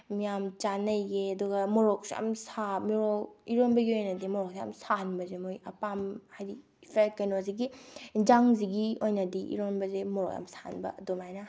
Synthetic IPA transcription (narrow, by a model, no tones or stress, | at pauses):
mijamt͡ʃanɐjɡeɐduɡɐmoɾok̚seɐ̰msamiɾokiɾonbɐɡiojnɐdimoɾok̚seɐ̰msanbɐzemojɐpamhajɾi | pʰekɐjnoziɡid͡ʒaŋziɡiojnɐdiʔḭɾonbɐzemoɾo̰ka̰msa̰nbɐ̰domajnɐ